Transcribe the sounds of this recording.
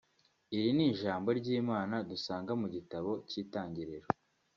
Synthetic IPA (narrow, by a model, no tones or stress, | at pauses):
iɾiniʒaːmbo̞ɾɟiːmaːnadusaːŋɡamuɟitaβo̞ciːtaːɲɟiɾeɾo